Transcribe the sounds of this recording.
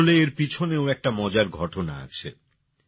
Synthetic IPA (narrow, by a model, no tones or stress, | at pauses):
leeɾpit͡ɕʰoneoɛk̚ʈamɔd͡ʑaɾɡʱɔʈona̰a̰t͡ɕʰḛ